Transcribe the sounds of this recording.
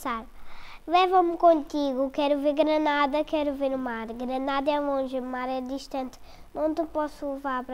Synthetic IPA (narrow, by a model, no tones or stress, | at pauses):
saɾlˠɛvɐ̃mkõnt̪iɣukɛɾuveɾɡɾɐnaðɐkɛɾuveɾumaɾɡɾɐnaðɐɛlˠõʒɨumaɾɛd̪iʃt̪ɐ̃nt̪ | nɐ̃w̃t̪ɨpɔsulˠɨvaɾpɾɐ